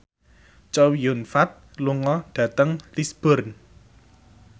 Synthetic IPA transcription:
t͡ʃɔwijʊnfat̪̚ | luŋɔɖ̥ä̤t̪əŋlisb̥ʊ̤rn

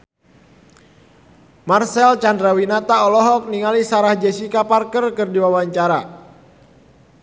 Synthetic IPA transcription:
marsɛlt͡ʃandɾawinat̪aɔlɔɦɔk̚niŋalisaɾahd͡ʒesikaparkərkɨrdiwawaɲt͡ʃaɾa

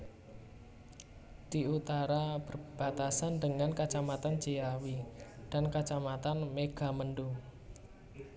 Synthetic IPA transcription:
d̪̥iut̪aɾab̥ərb̥at̪asandəŋankat͡ʃamat̪and͡ʒejawid̥a̤nkat͡ʃamat̪anmeɡ̥a̤mənɖu

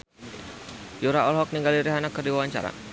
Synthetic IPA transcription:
juɾaɔlɦɔk̚niŋɡaliɾiɦanakərdiwawaɲt͡ʃa̰ɾa̰

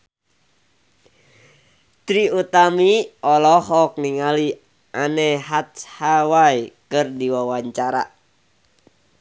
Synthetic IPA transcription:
t̪ɾiut̪amiɔlɔhɔk̚niŋali | ʔanɛɦat̪hawajkɨrdiwawaɲt͡ʃaɾa̰

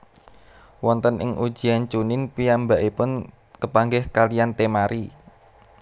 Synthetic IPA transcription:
wɔnt̪ənʔɪ̰ŋʔu̥ʒ̥i̤ant͡ʃunɪnpiambaʔipʊn | kəpaŋɡɪhkalijant̪emaɾʔi

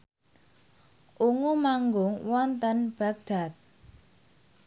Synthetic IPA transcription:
ʔuŋumaŋɡʊŋwɔnt̪ənb̥a̤k̚d̪̥a̤t̪̚

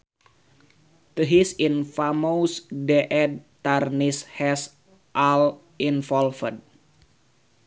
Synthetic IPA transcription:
t̪əɦisinfamowsdɛʔɛdt̪arnishɛs | ʔal | infɔlfəd̚

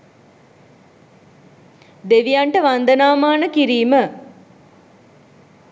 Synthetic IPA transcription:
d̪eʋijaɳʈəʋand̪ənaːmaːnəkiɾiːmə

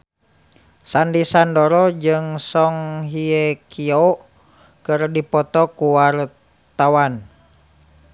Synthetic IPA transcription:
sandisandɔɾɔd͡ʒɨŋsɔŋɦiɛkʰiɔ | kɨrdipɔt̪ɔkuwar | t̪awan

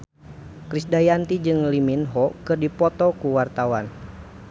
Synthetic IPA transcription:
kɾisdajant̪id͡ʒɨŋliminɦɔkɨrdipɔt̪ɔkuwart̪awan

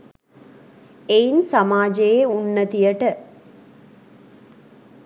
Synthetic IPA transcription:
ejnsɐmaːd͡ʒɐjeunːɐt̪ijɐʈə

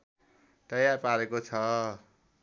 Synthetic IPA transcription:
t̪ʌjarpaɾekot͡sʰʌ

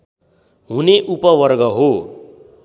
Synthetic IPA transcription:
ɦuneʔupʌwʌrɡʌɦo

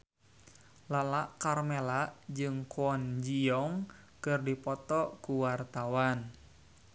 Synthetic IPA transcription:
lalaʔkarmelaʔd͡ʒɨŋkuɔnd͡ʒiɔŋ | kɨrdipɔt̪ɔkuwart̪awan

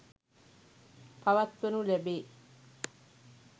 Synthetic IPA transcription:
paʋat̪ʋenulæbeː

